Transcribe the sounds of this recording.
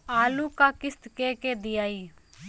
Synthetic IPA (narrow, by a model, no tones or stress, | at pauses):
aːluːkaːkɪst̪keːkeːd̪iaːiː